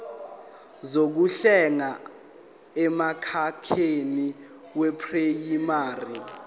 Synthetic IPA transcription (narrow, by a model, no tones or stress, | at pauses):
zok̬uɬɛŋa | ɛmakʰakʰeni | wɛpʰʼrejimaːri